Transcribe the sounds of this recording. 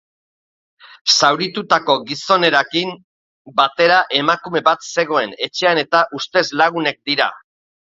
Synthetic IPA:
sawɾit̪ut̪ako̞ɣiso̞ne̞ɾakim | bat̪e̞ɾaʔe̞makume̞βat̪se̞ɣ̞o̞e̞ne̞t͡ʃe̞ane̞t̪aʔust̪e̞zlaɣ̞une̞k̚d̪iɾa̰

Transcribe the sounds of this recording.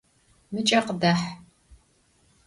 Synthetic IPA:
mɨt͡ʃʼɐqədaħ

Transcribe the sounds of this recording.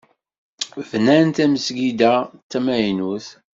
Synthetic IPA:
vnænt̪æməsɡid̪æt͡sːæmæjnuθ

